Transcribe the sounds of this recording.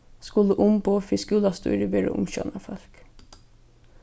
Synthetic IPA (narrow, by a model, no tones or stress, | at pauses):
skʊləʔʊmboːfɪskʉːlɑst̪ʉ̰ːɾəʋɪɾə̰ʔʊ̰mçœ̰nɑfœlk